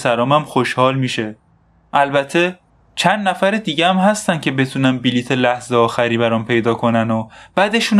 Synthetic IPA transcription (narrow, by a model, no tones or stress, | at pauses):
sæɾɒːmæmxo̞ʃhɒːlmiːʃe̞ | ʔælbæt̪ʰːe̞ | t͡ʃʰænd̪næfæɾed̪iːɟeæmhæst̪æn̥cʰe̞be̞t̪ʰuːnænbiliːt̪ʰe̞læhzeɒːxæɾiːbæɾɒːmpʰe̞jd̪ɒːkʰo̞nænob̥æd̪e̞ʃuːn